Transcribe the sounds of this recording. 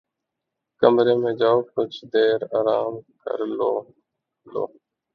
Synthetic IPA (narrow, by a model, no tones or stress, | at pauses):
kəmɾeːmẽːd͡ʒaːokʊt͡ʃʰd̪eːɾaːɾaːmkə̰ɾloː | lo̰ː